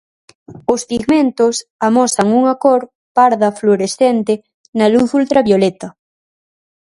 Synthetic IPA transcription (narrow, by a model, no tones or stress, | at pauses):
ospiɣment̪osamɔsɐŋuŋakoɾ | paɾðɐfloɾesθent̪e | naluθult̪ɾaβjolet̪ɐ